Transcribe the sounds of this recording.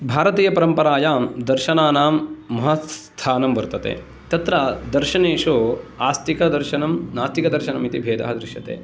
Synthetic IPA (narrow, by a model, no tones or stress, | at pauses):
bʱaːɾɐt̪iːjɐpɐɾɐmpɐɾaːjaːmd̪ɐɾʃɐnaːnaːmːɐɦɐst̪ʰaːnɐmʋɐɾt̪ɐt̪ḛː | t̪ɐt̪ɾad̪ɐɾʃɐneːʂoːaːst̪ikɐd̪ɐɾʃɐnɐmnaːst̪ikɐd̪ɐɾʃɐnɐmit̪ibʱeːd̪ʱɐ̰ɦɐd̪ɾɪʃjɐt̪ḛː